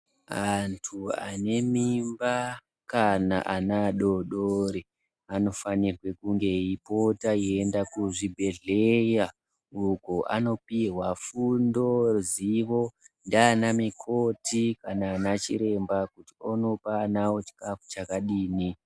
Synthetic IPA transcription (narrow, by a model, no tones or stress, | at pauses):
antʰua̰ne̞mimba | kana̰ʔanaɗo̞ɗoɾe | ano̞fanirwe̞kuŋɡe̞ipo̞taiendakuʐibʱe̞ɮe̞ja | ukoʔa̰no̞piɦwafundo̞ziʋo̞ndianamikʰo̞tʰikanaːnat͡ʃḭɾe̞mbakutiono̞paːnawot͡ʃi̥kafu̥t͡ʃakaɗiːni